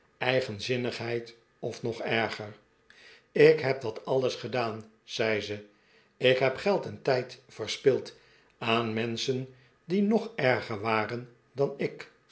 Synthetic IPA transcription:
ɛjχənzɪnəχɦɛjt | ɔfnɔχɛɹχəɹ | ɪkɦɛp̚dɑtɑləsχədaːn | z̥ɛjzə | ɪkɦɛpχɛlˠtəntɛjtfəɹspɪlˠt | aːnmɛnsən | dinɔχɛɹχəɹʋaːrən | dɑnɪk

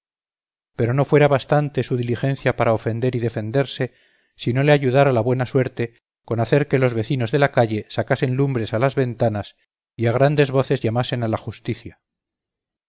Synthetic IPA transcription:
pe̞ɾo̞no̞fwe̞ɾaβast̪ant̪e̞suðilixe̞n̟θjapaɾao̞fe̞nd̪e̞ɾiðe̞fe̞nd̪e̞ɾse̞ | sino̞le̞aʝuðaɾalaβwe̞naswe̞ɾt̪e | ko̞naθe̞ɾke̞lo̞zβe̞θino̞zðe̞lakaʝe̞sakase̞nlumbɾe̞salazβe̞nt̪anas | iaɣ̞ɾand̪e̞zβo̞θe̞zʝamase̞nalaxust̪iθja

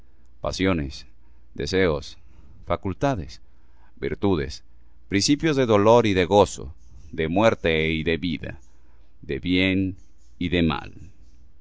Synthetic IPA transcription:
pa̰sjo̞nes | d̪eseos | fakult̪aðes | biɾt̪uðes | pɾinsipjozðe̞ðo̞lo̞ɾiðeɣo̞so̰ | ðemweɾt̪eiðeβiða̰ | d̪eβjen | iðema̰l

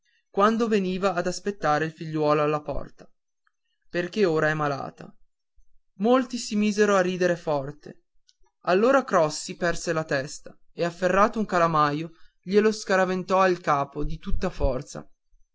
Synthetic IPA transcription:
kwand̪oveniːvaːd̪aspet̪ːaːɾeilfiʎːwɔːloalːapɔ̰rt̪ḁ | perk̟eoːɾaɛmːala̰ːt̪a̰ | molt̪isimiːzeɾoarːiːd̪eɾefɔrt̪ḛ | alːoːɾakɾɔsːipɛrselat̪ɛst̪a | eafːerːaːt̪ouŋkalamaːjo | ʎeloskaɾavent̪ɔilkaːpod̪it̪ut̪ːafɔrt̪sa̰

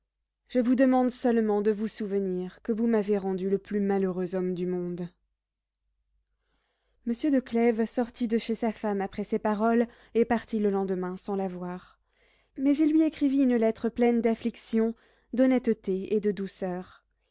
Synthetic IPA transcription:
ʒ̥əvud̪əmɑ̃d̪sœlmɑ̃d̪əvusuvəniʁkəvumaveʁɑ̃d̪yləplymaløʁøzɔmd̪ymɔ̃d̪ | məsjød̪əklɛvsɔʁt̪id̪əʃesafamapχɛsepaʁɔl | epaʁt̪iləlɑ̃d̪əmɛ̃sɑ̃lavwaʁ | mɛzilːɥiekχiviynlɛt̪χəplɛnd̪afliksjɔ̃ | d̪ɔnɛt̪t̪eed̪əd̪usœːʁ

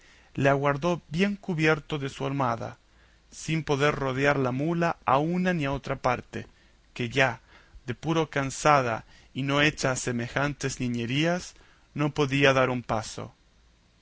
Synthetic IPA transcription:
leaɣwaɾðo̞bje̞ŋkuβjeɾt̪oðesuaɾmaða̰ | simpo̞ðeɾroðjaɾlamulaaunaniao̞t̪ɾapaɾt̪ḛ | keʝa | ðe̞puɾo̞kansað̞a̰ | ino̞e̞t͡ʃaːse̞me̞xant̪ezniɲe̞ɾias | no̞po̞ðiaðaɾumpaso̰

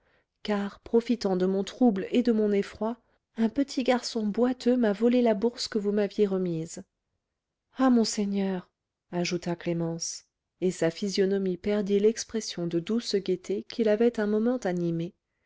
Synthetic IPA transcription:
kaʁpχɔfit̪ɑ̃d̪əmɔ̃t̪χubled̪əmɔ̃nefχwa | ɛ̃pət̪ʰiɡaʁsɔ̃bwat̪ʰømavɔlelabuʁskəvumavjeʁəmiz | amɔ̃seɲœʁ | aʒut̪aklemɑ̃s | esafizjɔnɔmipɛʁd̪ilɛkspχɛsjɔ̃d̪əd̪usɡʲet̪ʰekʲʰilavɛt̪ɛ̃mɔmɑ̃t̪anime

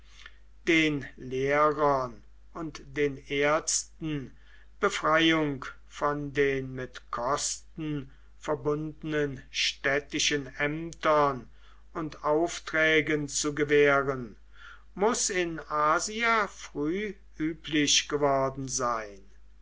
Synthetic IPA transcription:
d̥eːnleːʁɐn | ʊntd̥eːneːɐstn̩ | b̥əfʁ̥ajʊŋk | fɔndeːnmɪtkʰɔstn̩ | fɛɐbʊndənənʃtɛtɪʃənɛmtɐn | ʊntaʊftʁ̥ɛːɡənt͡suɡəveːʁən | mʊsɪnaːziafʁ̥yː | ʔyːpʰlɪɕɡ̥əvɔɐdn̩zaɪn

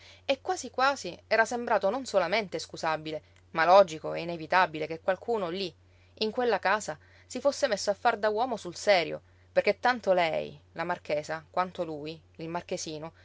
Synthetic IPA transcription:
ekːwaːsikwaːziɛːɾasembɾaːt̪ononsolament̪eskuzabile | malɔd͡ʒikoɛinevit̪abilekekwalkʰuːnoliː | ŋkwelːakaːza | sifosːemesːoafːard̪awɔːmosulsɛːɾjo̰ | perket̪ːant̪olɛjlamarkeːsakwant̪oluːj | ilmark̟esiːno

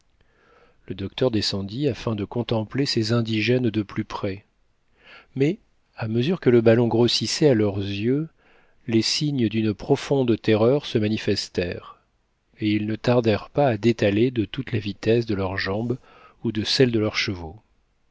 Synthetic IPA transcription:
ləd̪ɔkt̪ʰœʁd̪esɑ̃d̪iafɛ̃d̪əkɔ̃t̪ɑ̃plesezɛ̃d̪iʒɛnd̪əplypχɛ | mɛ | aməzyʁkələbalɔ̃ɡʁosisɛalœʁzjø | lesiɲəd̪ynpχɔfɔ̃d̪t̪eʁœʁsəmanifɛst̪ɛʁ | eilnət̪aʁd̪ɛʁpaːd̪et̪aled̪ət̪ut̪lavit̪ɛsd̪əlœʁʒɑ̃b | ud̪əsɛld̪əlœʁʃəvo

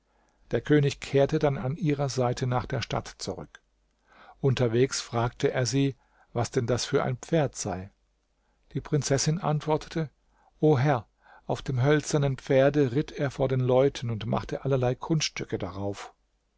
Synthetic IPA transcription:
d̥eːɐkʰøːnɪçkʰeːɐtədananʔiːʁɐzaɪtʰənaːχd̥eːɐʃta̰tt͡suʁʏ̰k | ʔʊntɐveːksfʁ̥aːk̚tʰəʔeːɐziː | vasd̥ɛndasfyːɐʔa̰ɪnp͡feːɐtz̥aɪ | d̥iːpʁ̥ɪnt͡sɛsɪnʔa̰ntv̥ɔɐtʰə̥tʰə | ʔoːɦɛɐ | ʔaʊfd̥eːmɦœlt͡sɐnənpp͡feːɐdəʁɪteːɐfoːɐdeːnlɔʏtʰn̩ʊntma̰χtəʔalɐlaɪkʰʊnsttʏkədaʁaʊf

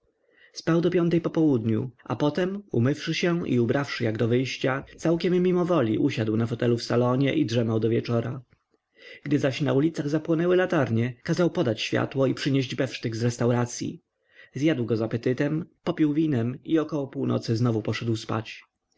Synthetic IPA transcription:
spawd̪ɔpʲjɔ̃nt̪ɛjpɔpɔwud̪ɲṵa̰pɔt̪ɛmumɘfʂɘɕɛḭubɾʔafʂɘjaɡd̪ɔvɘjɕt͡ɕat̪sawkʲɛmːimɔvɔlʲḭʔuɕad̪wnafɔt̪ɛlufsalɔɲɛʔidʐɛmawd̪ɔvʲjɛt͡ʂɔɾa | ɡ̥d̪ɘzaɕnaulʲit̪saɣzapwɔnɛwɘlat̪aɾɲɛkazawpɔd̪at͡ɕɕfʲja̰t̪wɔipʂɘɲeʑd͡ʑbɛfʂt̪ɘɡzɾɛst̪awɾat̪sʲjḭ | zʲjad̪wɡɔzapɛt̪ɘt̪ɛmpɔpʲiwvʲinɛmiɔkɔwɔpuwnɔ̰t̪sɘznɔvupɔʂɛd̪wspa̰t͡ɕ

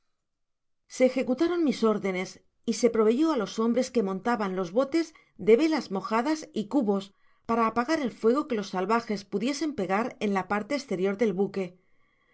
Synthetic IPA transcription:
se̞ːxe̞kut̪aɾo̞nmiso̞ɾðe̞ne̞s | ise̞pɾo̞β̞e̞ʝo̞alo̞so̞mbɾe̞ske̞mõ̞nt̪aβanlo̞zβo̞t̪e̞z | d̪e̞βe̞lazmo̞xaðasikuβo̞s | paɾaːpaɣaɾe̞lfwe̞ɣ̞o̞ke̞lo̞sːalβaxe̞spuðje̞se̞mpe̞ɣaɾe̞nlapaɾt̪eːst̪e̞ɾjo̞ɾðe̞lβuke̞

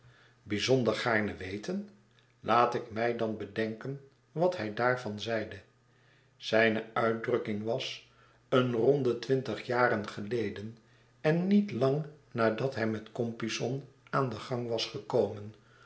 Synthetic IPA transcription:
bizɔndəɹχaːɹnəʋejtən | lʔaːtɪkmɛjdɑnbədɛŋkən | ʋɑtɦɛjdaːɹvɑnzɛjdə | z̥ɛjnəœɥt̚drɵkɪŋʋɑs | ənrɔndətʋɪntəχjaːɾənχəlejdən | ɛnːitlɑŋnaːɹdɑtɦɛjmɛtkɔmpisɔn | aːndəχɑŋʋɑsχəkowmən

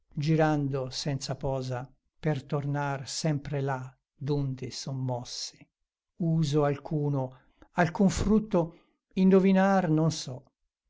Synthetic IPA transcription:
d͡ʒiɾand̪osɛnt̪sapɔːza | pert̪ornarsɛmpɾela | d̪und̪esomːɔsːe̥ | uːzoalkʰuːno | alkuɱfɾut̪ːo | ind̪ovinarnonsɔ

